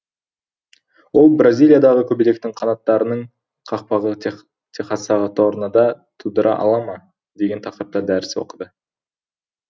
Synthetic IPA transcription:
wo̞lˠbrazʲijlʲijad̪ɑʁəkʲʰɵbile̞k̚t̪ɪŋqʰɑnɑt̪ːɑɾənəɴ | qʰɑq̚pɑʁə | t̪ʰeχɑsɑʁɑt̪ːoɾənɑd̪ɑt̪ʰud̪əɾʔɑ̰ʔɑ̰lˠɑmɑ | d̪e̞ɡʲe̞nt̪ʰɑqəɾəp̚t̪ɑd̪æɾɪswo̞̰qəd̪ə

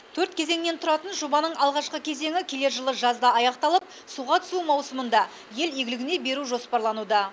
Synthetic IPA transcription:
t̪ʰɵɾt̪̚kʲʰe̞ze̞ŋne̞nt̪ʰʊɾɑt̪ənʒo̞bɑnəɴɑlˠʁɑʃqəkʲʰe̞ze̞ŋɪkʲʰe̞le̞ɾʒəlˠəʒɑzd̪ɑɑjɑqt̪ɑlˠəp̚ | suʁɑt̪ʰʏ̥sumɑwsəmənd̪ɑ | je̞leɡʲɪlɪɡʲɪne̞be̞ɾuʒo̞spɑɾlˠɑnud̪ɑ

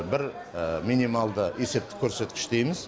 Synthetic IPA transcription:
bɪɾ | mʲinijmalˠd̪əe̞se̞p̚t̪ɪ̥kʲʰɵɾse̞t̪̚kʲɪ̥ʃt̪ejmɪz̥

